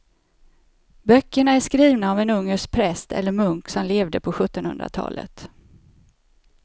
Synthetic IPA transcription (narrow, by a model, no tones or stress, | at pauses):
bœkːəɳaæʂkɾiːvnaɔvɛnɵŋːəʂk̚pʰɾɛst̪ʰɛ̰lːəɾmɵŋksɔmleːvd̪əpʰɔɧɵt̪ːɔnhɵ̰nd̪ɾa̰t̪ʰɑ̰ːlə̰t̪